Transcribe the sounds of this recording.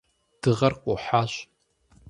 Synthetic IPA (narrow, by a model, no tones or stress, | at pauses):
d̥ɨʁɐrkʷʼoħaʃʷ